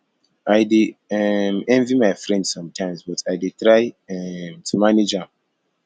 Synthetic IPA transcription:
ajdeɛmɛ̃nvimaɪfɹɛ̃ndsɔ̃mtʰãɪ̃msbɔtʰaɪdetɹaɪɛmtʰumaned͡ʒãm

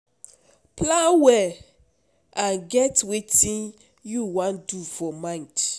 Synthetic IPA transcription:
plãnwɛ | ãnɡɛtwetĩn | juwãndufɔmãnt

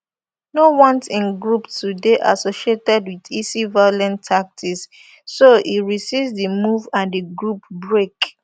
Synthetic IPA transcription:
nowɔ̃ntĩnɡɹuptudeʔa̰soʃietɛdwiðisivaolɛ̃ntʰːak̚tʰisː | oʔiɹisivdimuvãndiɡɹupbɹek

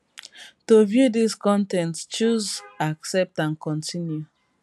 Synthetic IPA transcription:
tovjudiskɔ̃ntɛ̃ntst͡ʃuzaksɛp̚tãnkʰɔ̃ntʰĩnju

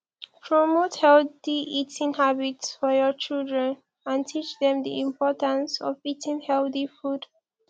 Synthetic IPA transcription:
pʰɹɔmothɛlθiʔitʰɪ̃ŋhabitsfɔjɔt͡ʃildɹə̃n | ãntʰit͡ʃdɛ̃md̪iĩmpʰɔtə̃nsɔ̰vitʰɪ̃ŋhɛlθifud̥

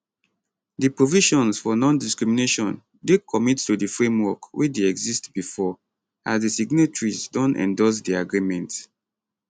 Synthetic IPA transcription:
dipɹoviʃɔ̃nsfɔnɔ̃ndiskɹimineʃɔ̃n | dekʰɔmittudifɹẽmwɔkwʔideɛɡzistb̥ifɔ | azdisiɡnatɹizdɔ̃nɛ̰̃ndɔs̬diaɡɹimɛ̃nt

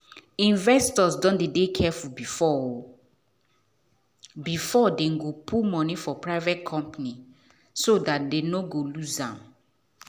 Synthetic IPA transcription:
ĩnvɛstɔsdɔ̃ndedekʰɛfubifɔ | bifɔdeɡopʰumɔ̃nifɔpɹaɪvɛt̚kʰɔ̃mpni | sodat̚denoɡolusãm

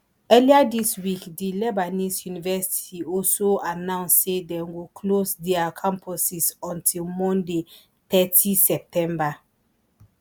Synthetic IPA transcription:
ɛliadiswikdilɛbanisjunivɛsi̥ti̥tiɔlsoanãʊ̃nssedɛ̃nɡokʰlosdɛakʰãmpʰɔsisɔ̃ntʰilmɔ̃nde | θɛtʰisɛp̚tʰɛ̃mba

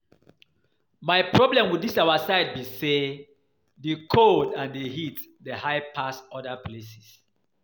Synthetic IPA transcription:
majpʰɹɔblɛ̃mwidisawasaɪd̚bise | dəkʰodãndeɦit | dehaɪpʰasɔdaplesis

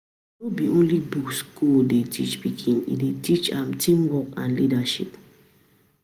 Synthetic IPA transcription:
nobiõnlibukskuldetʰḭt͡ʃpikʰĩnḭdetʰit͡ʃãmtʰĩmwɔkã̰nlidaʃip

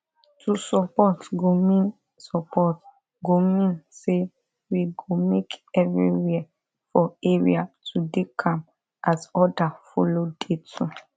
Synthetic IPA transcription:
tusɔpɔtɡomĩn | sɔpʰɔt | ɡomĩnse | wiɡomekɛvɹḭwɛ | fɔeɹḭatʰudekʰãm | ʔazɔdafɔlodetʰu

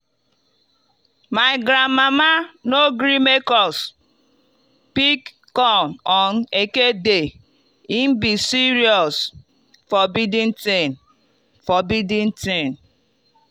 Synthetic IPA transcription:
maɪɡɾamamanoɡɾimekɔs | pikː | ɔnɔnekede | im̩bisiɾiɔs | fɔbidĩn̩tin | fɔbidĩntin

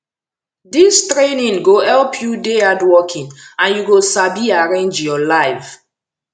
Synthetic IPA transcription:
distɹenĩŋɡohɛlpʰjudeadwɔkʰĩŋãnjuɡosabiaɹẽnd͡ʒjɔlaɪf

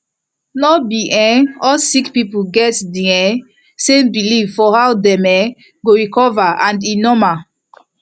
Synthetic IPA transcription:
nɔbiʔɛ̃ɔsikpipuɡɛtdiɛ̃ | sẽmbilivfɔhawdɛ̃mɛ | ɡoɹikɔvaãndinɔma

